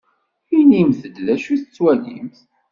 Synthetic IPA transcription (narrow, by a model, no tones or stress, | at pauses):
inimθəd̪læʃuθət͡sːwælḭmθ